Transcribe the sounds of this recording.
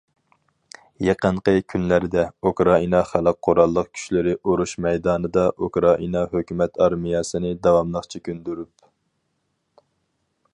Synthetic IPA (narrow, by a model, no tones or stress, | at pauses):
jeqəɴqəkʲʰynlæɾɪd̪ɛukɾɑinɑχæləq̚ʰːoɾɑlˠːəq̚kʲʰy̥ʃlɪɾɪʔoɾuʃmɛjd̪ɑːnɨd̪ɑʔukɾɑʔinɑɦøkʲymɛt̪ʰɑɾmijɑsɨnɪd̪ɑwɑmlˠəχt͡ʃʰikʲynd̪yɾyp